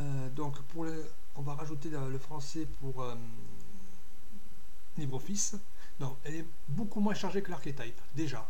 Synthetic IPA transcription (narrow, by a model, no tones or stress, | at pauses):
ø | d̪ɔ̃kpuʁlə | ɔ̃vaʁaʒut̪̬eələfχɑ̃sɛpʰuʁø | libʁofis | d̪ɔ̃ɛlɛ | bokumwɛ̃ʃaʁʒekəlaʁket̪ajpd̪eʒa